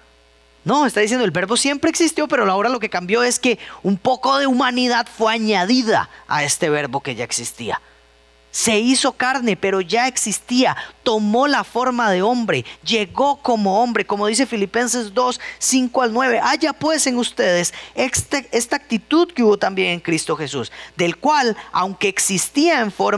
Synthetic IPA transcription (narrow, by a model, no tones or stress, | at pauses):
no̞est̪aðisjend̪oelbe̞ɾbo̞sje̞mpɾeːksist̪jope̞ɾo̞aoɾalo̞ke̞kambjo̞e̞ske̞umpo̞ko̞ðe̞umaniðaðfwe̞aɲaðiða̰a̰e̞st̪e̞βe̞ɾbo̞ke̞ʝae̞ksist̪ḭa̰ | se̞iso̞kaɾne̞pe̞ɾo̞ʝae̞ksist̪iat̪o̞mo̞lafo̞ɾmaðe̞o̞mbɾe̞ʝe̞ɣo̞ko̞mo̞o̞mbɾe̞ko̞mo̞ð̞is̬efilipe̞nse̞zd̪o̞sːiŋkoalnwe̞βe̞ʔaʝapwe̞se̞ŋust̪e̞ðe̞sekst̪ee̞st̪aːk̚t̪it̪uðkeuβot̪ambje̞ŋe̞ŋkɾist̪o̞xe̞susd̪e̞lkwalawŋkeːksist̪iaeɱfoɾ